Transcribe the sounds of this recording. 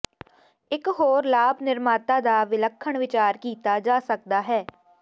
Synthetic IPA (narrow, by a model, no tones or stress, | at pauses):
ɪkɦoːɾlaːbnɪɾmaːt̪ãːd̪aːʋɪləkʰːəɳʋɪt͡ʃaːɾkiːt̪aːd͡ʒaːsək̚d̪aːɦɛː